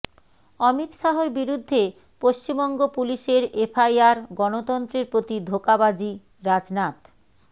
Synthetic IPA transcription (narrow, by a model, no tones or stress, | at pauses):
ɔmit̪ʃaɦoɾbiɾud̪ʱːe | poʃt͡ɕimbɔŋɡopuliʃeɾefʰajaɾɡɔnot̪ɔnt̪ɾeɾpɾot̪id̪ʱokabad͡ʑi | ɾad͡ʑnat̪